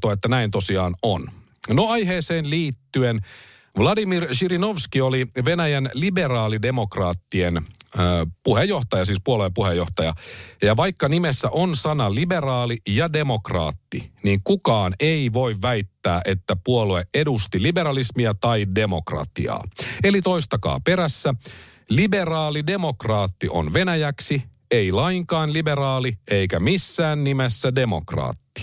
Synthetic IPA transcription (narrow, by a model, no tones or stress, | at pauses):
t̪oet̪ːænæint̪o̞siɑːnon | noɑjɦe̞ːseːnliːt̪ːyen | ʋlɑdimirʃirinoʋskioliʋe̞næjænlibe̞rɑːlide̞mo̞krɑːt̪ːienː | puhejːoht̪ɑjɑs̬iːspuoluepuhejːo̞ht̪ɑjɑjɑʋɑjkːɑnimesːæʔo̞nsɑnɑlibe̞rɑːlijɑde̞mo̞krɑ̰ːt̪ːḭniːŋkukɑːneiʋo̞iʋʋæjt̪ːæ̰ːʔe̞t̪ːæpuolueʔedust̪ilibe̞ɾɑlismiæt̪ɑide̞mokrɑ̰t̪ḭɑ̰ːe̞lit̪o̞ist̪ɑkɑ̰ːpe̞ɾæsːæ | libe̞rɑːlide̞mo̞krɑːt̪ːiʔo̞̰nʋe̞næjæksi | eilɑiŋkɑːnlibe̞rɑːlie̞ikæmisːæːnːimesːæde̞mo̞̰krɑ̰ːt̪ːi̥